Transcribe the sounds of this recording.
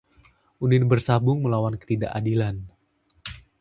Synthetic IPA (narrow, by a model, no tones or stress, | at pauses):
ʔunɪnbərsabʊŋməlawankə̥ɾida̰ʔadilan